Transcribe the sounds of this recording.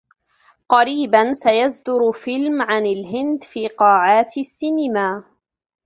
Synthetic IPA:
qɑɾiːbansajazd̪ʊɾfɪlmʕanalɦɪnd̪fiːqɑːʕaːt̪sːiːnɪmaː

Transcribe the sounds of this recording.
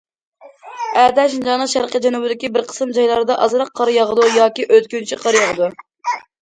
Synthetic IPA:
æt̪ʰɛʃnd͡ʒɑnəʃæɾqəd͡ʒɛnubɪd̪ɪkʲibɪɾqʰə̥sɨmd͡ʒɑjlˠɑɾɨd̪ɑʔɑzɾɑqʰːɑɾjɑʁəd̪ujɑːkʲiʔøt̪kʲynt͡ʃʰiqʰɑɾjɑʁəd̪u

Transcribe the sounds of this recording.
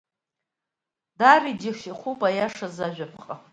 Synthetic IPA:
davidiχiχʷupʼajaʂazaʒᶣʷapʰqʼa

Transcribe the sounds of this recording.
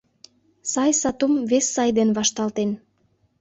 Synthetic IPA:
sɑjsɑt̪umvesːɑjd̪enβɑʃt̪ɑlt̪en

